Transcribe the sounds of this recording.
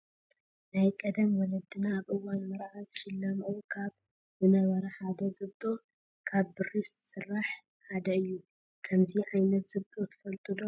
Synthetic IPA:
najkʼɐd̪ɐmwɔlɐd̪ɨnaːβʔɨwːanmɐɾaʕat̪ʃɪlːamʔokʰaβ | bɨnɐβɐɾɐħad̪ɐzɨβt̪ʼo̞ | kʰaβbɨrist̪sɨrːaħ | ħad̪ɐɨjːu | kʰɐmziʕajnɐt̪z̥ɨβt̪ʼo̞t̪ʰɨ̥fɐlt̪ʼʰɨd̪o

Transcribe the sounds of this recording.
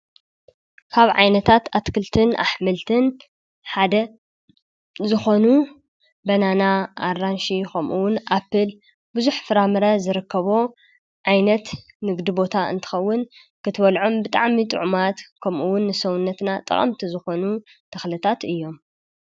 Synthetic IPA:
kʰaβʕa̰jnɐt̪ʰat̪ʰat̪kʰɨlt̪ʰɨnʔa̰ħmɨlt̪ʰɨn | ħad̪ɐ | zɨxo̞nu | bɐnanaarːanʃikʰɐmʔuwʊnʔapːɨl | bɨzuħfɨɾamɨɾɐzɨɾɨkʰːɐβo̞ | ʕajnɐt̪ | nɨɡd̪ibo̞t̪ʰaɨ̰nt̪ʰɨ̥xɐwːʊn | kʰɨt̪ʰwɐlʕo̞mbɨt̪ʼa̰ʕmit̪ʼɨ̰ʕmat̪kʰɐmʔuwʊnːɨsɐwʊnːɐt̪nat̪ʼɨ̰χʼɐ̰mt̪ʰizɨxo̞nu | t̪ʰɐxlɨt̪ʰat̪ɨjːo̞m

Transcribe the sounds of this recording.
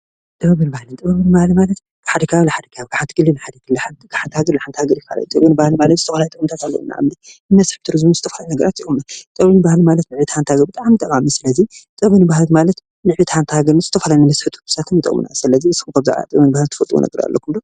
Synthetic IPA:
t̪ʼɐβɐβɨnbahlɨnt̪ʼɐβɐβɨnɨbahlmalɐt̪ | ħad̪ɐkʰaβlaħad̪ɐkʰaaβɡaħant̪ʰɨɡɨlːɨnħad̪ɐkʰɨlːaħant̪ɡaħant̪haɡɐɾlaħant̪haɡɐɾjifa̰la̰jut̪ʼɐβɨnɨbahlmalɐt̪z̥ɨt̪ʰɐfalajt̪ɨkɨnt̪ʰɐkʼahlɐ̰una̰ʔa̰mninɨmɐsħt̪ʰɨɾɨzbunzɨt̪ʰɐfalajinɐɡɐɾat̪jiʔomnat͡s̪ʼɐβɨnɨbahlɨmalɐt̪nɨʕβit̪hant̪haɡɐɾbɨt̪ʼaʕmit̪ʼɐkʼamisɨlɐzit͡s̪ʼɐβɨnɨbahalmalɐt̪ | nɨʕbit̪ħant̪ʰɨhaɡɐɾz̥ɨt̪ʰɐfalajnɨmɐsħɨt̪ʰu̥bɨ̥sat̪ʰɨmɨt̪ʼɨ̰kʼmɨ̰na̰sɨlɐziɨsxumkʰɐβzɨ̰ʕa̰a̰t̪ʼɨɐβɐnɨbahlnt̪ʰɨ̥fɐt̪ʼwṵnɐ̰ɡɐɾa̰lːɐ̰kʰumd̪o

